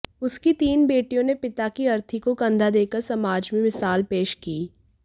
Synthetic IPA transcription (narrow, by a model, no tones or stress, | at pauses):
ʊskit̪iːnbeːʈijõnepɪt̪akiɐɾt̪ʰikokɐ̃nd̪ʱad̪eːkəɾsɐmaːd͡ʒmẽmɪsaːlpeːʃkiː